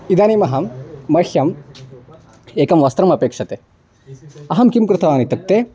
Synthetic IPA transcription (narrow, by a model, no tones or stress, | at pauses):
id̪aːniːmɐɦɐmːɐxjɐm | eːkɐmʋɐst̪ɾɐmɐpeːkʂɐt̪e | ɐɦɐmkimkɾɨt̪ʰɐʋaːnit̪ɐk̚t̪e